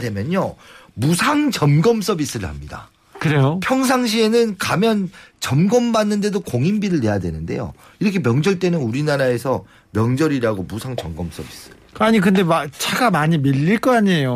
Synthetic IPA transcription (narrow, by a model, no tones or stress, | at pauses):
dwe̞mjʌɲomusʰaŋt͡ɕʌmɡʌms͈ʌbis͈ɯɾɯɭha̰mɲida̰ | kɯɾe̞jopʰjʌŋs̬ʰaŋɕ̬ʰie̞nɯnkamjʌnt͡ɕʌmɡʌmbanːɯnde̞dokoŋimbiɾɯɭne̞jadwe̞̰nɯnde̞̰jo̰ | iɾʌkʰe̞mjʌŋd͡ʑʌɭt͈e̞nɯnuɾinaɾae̞sʰʌ | mjʌŋd͡ʑʌɾiɾaɡomusʰaŋt͡ɕʌmɡʌms͈ʌbis͈ɯ̥ | aɲikɯndemat͡ɕʰaɡamaɲimiʎːiɭk͈ʌaɲejo